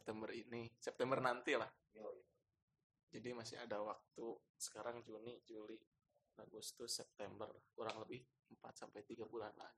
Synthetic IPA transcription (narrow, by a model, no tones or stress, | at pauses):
ɛp̚t̪ɛmbərinisɛp̚t̪ɛmbərnant̪ilah | d͡ʒadimasɪ̰a̰dawak̚t̪u | sə̥kaɾaŋd͡ʒunid͡ʒuli | aɡust̪ʊsɛp̚t̪ɛmbərlahkuɾaŋləbɪh | əmpat̪̚sampajt̪iɡabulanla̰ɡi